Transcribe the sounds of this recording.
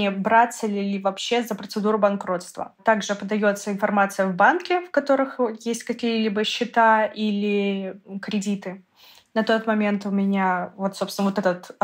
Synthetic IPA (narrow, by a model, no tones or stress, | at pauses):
ebɾat̪səlʲɪlʲɪvɐpɕːe̞zəpɾət̪sɨd̪uɾʊbɐnkɾo̞t̪st̪və̰t̪aɡʐɨpəd̪ɐjo̞t̪səɪnfɐrmat̪sɨjəvbankʲɪfkɐt̪o̞ɾɨxjesʲtʲkɐkʲijəlʲibəɕːɪt̪aʔilʲɪkɾʲɪdʲit̪ɨ | nɐt̪o̞t̪mɐmʲe̞nt̪ʊmʲɪnʲavo̞t̪so̞psʲnəvot̪ɛt̪ət̪